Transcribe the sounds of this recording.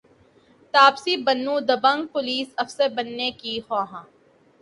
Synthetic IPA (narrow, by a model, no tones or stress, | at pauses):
t̪aːbsibɐnːũd̪ɐbãŋɡ̚pʊliːsɐfsebɐnːekihaːɦã